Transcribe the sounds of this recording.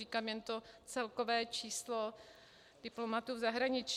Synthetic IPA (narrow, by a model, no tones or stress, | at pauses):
iːkaːmjɛnt̪ot͡sɛlko̞vɛːt͡ʃiːslo | d̥ɪplomat̪uːvzaɦɾaɲɪt͡ʃ